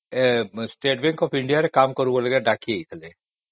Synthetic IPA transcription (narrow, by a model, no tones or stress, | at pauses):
sʈeʈbɛ̃ŋkɔpʰɪɳɖijaɾekamkɔɾuboləɡeɖakieit̪ʰəle